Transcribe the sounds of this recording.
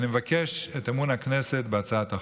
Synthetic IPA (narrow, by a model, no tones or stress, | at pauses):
nimevakeʃetamunaknɛsetbeat͡saat̪a